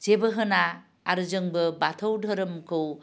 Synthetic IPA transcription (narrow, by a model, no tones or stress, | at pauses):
zebɯɦɯnaː | ɾɯzɯŋbɯbatʰəwdʱəɾɯmkʰɯw